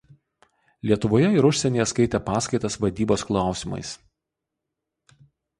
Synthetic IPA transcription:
lʲiɛt̪ʊʋoːjɛɪɾʊʃʲsʲɛnʲeːjɛskɐɪt̪ʲepɑːskɐɪt̪ɐsʋɐd̪ʲiːboːsklˠɑˑʊsʲɪmɐ̰ɪs

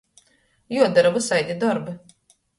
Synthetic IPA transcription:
juɔd̪aɾavusajd̪ʲid̪ɔɾbɨ

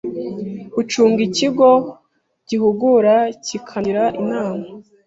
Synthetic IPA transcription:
ut͡ʃuːŋɡiciɡo̞ | ɟ̥ihuɡuɾacikʰaɾaʔinaːma

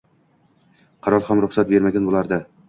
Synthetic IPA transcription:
qʰɑɾɒlˠhamɾʊχsat̪̚be̞ɾmaɡʲanbolˠaɾd̪ɪ

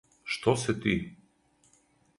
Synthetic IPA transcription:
ʃt̪ɔsɛt̪i

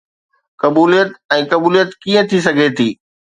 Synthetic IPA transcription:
kɐbuːlijət̪ɛ̃ːkɐbuːlijət̪kiːə̃t̪ʰis̬ɐɡʱet̪ʰiː

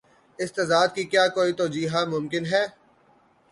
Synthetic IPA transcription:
ɪst̪ɛːd̪aːd̪kikjaːkoːit̪oːd͡ʒiːɦamʊmkɪnɦɛː

